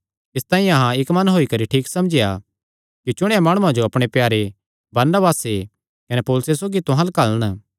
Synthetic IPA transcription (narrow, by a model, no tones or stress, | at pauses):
ɪst̪ãːĩɐɦãɪkmɐnɦoːikɐɾiʈʰiːksɐmd͡ʒeja | kit͡ʃʊɽ̃eamaːɽ̃ʊãd͡ʒoɐpɽ̃epjaːɾe | bɐɾnəbaːse | kɐnepoːlʊsesoːɡit̪ʊ̃ɦãlɐkaləñ